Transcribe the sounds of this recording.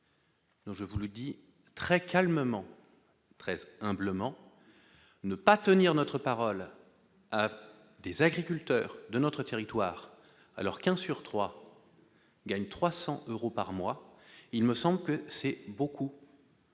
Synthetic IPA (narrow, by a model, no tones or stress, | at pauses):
d̪̥ɔ̃ʒəvuləd̪i | t̪χɛkalməmɑ̃ | t̪χɛzɛ̃bləmɑ̃ | nəpat̪əniʁnɔt̪χəpaʁɔl | a | d̪ezaɡʁikʲylt̪œːʁd̪ənɔt̪χət̪eʁit̪waːʁ | a̰lɔʁkɛ̃syʁt̪χwa | ɡaɲt̪χwasɑ̃ʔøʁopaʁmwailməsɑ̃bləkəsɛbokʰu